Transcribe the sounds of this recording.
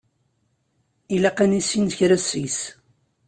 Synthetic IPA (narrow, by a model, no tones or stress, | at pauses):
ilæqænisːinçɾæsis